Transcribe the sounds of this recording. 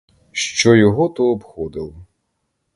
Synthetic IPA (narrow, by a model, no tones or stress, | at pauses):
ʃt͡ʃɔjɔɦɔt̪ɔːbxɔd̪ɪlˠɔ